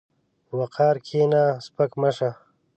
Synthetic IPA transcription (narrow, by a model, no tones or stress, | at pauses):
wɐqʰaːɾkʰeːnaːspɐkmɐʂa